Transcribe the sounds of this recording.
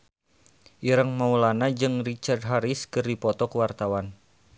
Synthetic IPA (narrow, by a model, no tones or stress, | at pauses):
ʔiɾəŋmaulanad͡ʒɨŋrit͡ʃard̚ɦaɾiskɨrdipɔt̪ɔkəwart̪awan